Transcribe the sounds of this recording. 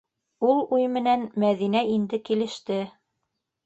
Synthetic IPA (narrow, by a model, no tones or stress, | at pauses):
ulˠujmɘ̆nænmæðinæind̪ɘkilɘ̆ʃt̪ɘ